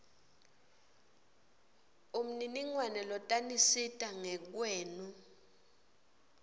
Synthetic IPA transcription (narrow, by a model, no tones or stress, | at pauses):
um̩niniŋwanɛlɔtʼanisitʼaŋɛk̬weːnu